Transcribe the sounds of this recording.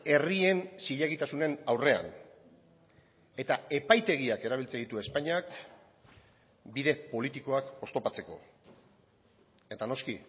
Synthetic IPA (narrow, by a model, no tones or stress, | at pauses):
e̞rie̞nsiʎaɣit̪asune̞nawre̞a̰n | e̞t̪ae̞pajt̪e̞ɣiake̞ɾaβ̞ilt͡send̪it̪ue̞spaɲak̚ | biðe̞po̞lit̪iko̞ako̞st̪opat͡se̞ko̞̰ | e̞t̪ano̞ski